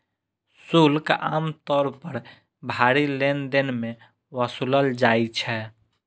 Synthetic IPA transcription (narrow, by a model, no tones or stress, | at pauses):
sulka̰ːmt̪ɔːɾpəɾ | bʱaɾilend̪ɪnme | wəsuləld͡ʒaːit͡ʃʰɛ